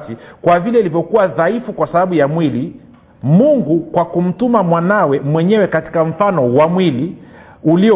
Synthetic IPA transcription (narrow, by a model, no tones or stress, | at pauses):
t͡ʃikwavilɛilivjɔkuwaðaifukwasaɓaɓujamwili | muŋɡukwakum̩tumamwanawɛmwɛɲɛwɛkati̥kam̩fanɔwamwili | uliɔ